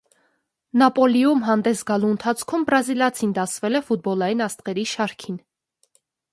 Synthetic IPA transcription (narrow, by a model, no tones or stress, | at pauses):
nɑpɔlijumɦɑnd̪ɛsɡɑluənt̪ʰɑt͡sʰkʰumbɾɑziljɑt͡sʰind̪ɑsvɛlɛfut̪̚bɔlɑjinɑst̪ʁɛɾiʃɑɾkʰin